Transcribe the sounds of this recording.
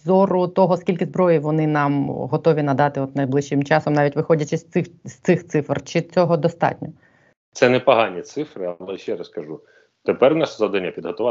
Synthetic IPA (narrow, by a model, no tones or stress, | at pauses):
zɔrʊt̪ɔɦɔskʲilʲkɪzbɾɔjiʋɔnɪnɑmɦɔt̪ɔʋʲinɐd̪ɑt̪ɪɔt̪nɐjblˠɪʃːɪmt͡ʃɑsɔmnɑʋʲitʲʋɪxɔdʲɐt͡ʃɪsʲɪst̪ɪxt̪sɪfrt͡ʃɪt͡sʲɔɦɔd̪ɔst̪ɑ̰tʲnʲɔ | t̪sɛnɛpɐɦɑnʲit̪sɪfɾɪɐlˠɛʃɛɾɐskɐʒu | t̪epɛrnɑʃzɐd̪ɛnʲɐpʲid̪ɦɔt̪ʊʋɑ